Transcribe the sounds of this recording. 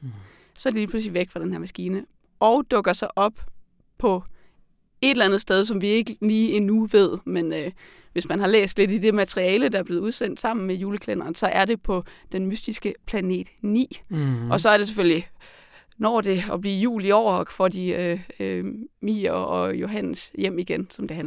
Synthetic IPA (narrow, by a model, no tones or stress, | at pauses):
sɒ̽æd̥iliːpʰlus̬liʋeɡ̥fʁɑd̥enheɐmæsɡ̥iːnə | ɒʊd̥ɔ̽ɡ̥ɐsɑ̈ɪʔɒ̽b̥ | pʰɒ̽ | e̝d̥elænð̩ˠsd̥eð̞ˠs̬ɒ̽mʋie̝ɡ̥əliːenuʋe̝ð̞̰ˠmenø | ʋe̝smænɦɑ̈lḛːsd̥le̝d̥id̥e̝mæt͡sʰʁiɛːləd̥ɑ̈æɐb̥le̝ːð̩ˠuð̞ˠsen̰d̥sɑ̈m̰n̩mejuːləkʰlen̰ɐːnsɒ̽ʔæɐɾe̝pʰɒ̽d̥enmysd̥isɡ̥əpʰlæne̝̰ːd̥nḭːʔɒ̽sɒ̽æɐɾ̥e̝s̬eføl̰li | nɒ̰ːd̥e̝ɒb̥liːjṵːliɒʊ̰ɐfɒdiømḭːɒ̽jo̝ɦæn̰sjem̰iɡ̥ensɒ̽md̥e̝æn